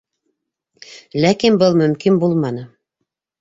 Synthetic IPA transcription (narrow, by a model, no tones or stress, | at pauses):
lækinbɤlˠmɵ̆mkinbulˠmɑnɤ